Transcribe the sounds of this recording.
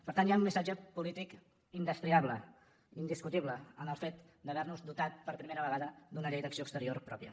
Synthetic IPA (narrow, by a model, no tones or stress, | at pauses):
pəɾt̪anjaunmisad͡ʒəpulit̪ik | ind̪əst̪ɾiaβlə | ind̪iskut̪iβləənəlˠfet̪ | d̪əβɛɾnuzd̪ut̪at̪̚pəɾpɾimeɾəβ̞əɣaðəd̪unəʎejd̪əksioəkst̪əɾiorpɾɔ̰pjə̰